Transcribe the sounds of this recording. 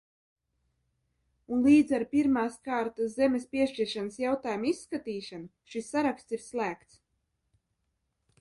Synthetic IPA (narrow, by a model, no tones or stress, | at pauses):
unliːd̪zaɾpʲiɾmaːskaːɾt̪aszɛmʲespʲiɛʃt͡ʃiɾʃanasjawt̪aːjumisːkat̪iːʃanu | ʃisːaɾakst̪iɾslˠæːkt̪s